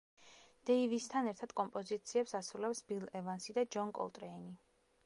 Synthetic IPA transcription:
d̪̥ɛivist̪ʰanɛɾt̪ʰad̪̥kʼɔmpʼɔzit̪sʰiɛpsasɾulɛpsbilɛvansid̪ad͡ʒɔŋkʼɔ̰lˠt̪ʼɾɛini

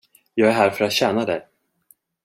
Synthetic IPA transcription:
jɑːɡæɦæːɾfœɾat̪ɕɛːnad̪ɛj

